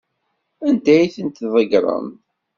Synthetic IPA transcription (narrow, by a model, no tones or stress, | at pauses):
ænd̪æjθənt̪ðˤəɡɾˤə̰m